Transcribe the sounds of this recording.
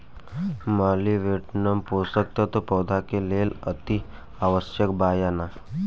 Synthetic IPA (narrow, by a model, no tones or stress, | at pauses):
maːliʋeːʈnəmpoːsək̚t̪at̪opɔːd̪ʱakeleːlət̪i | aːʋəʃjəkbaːjana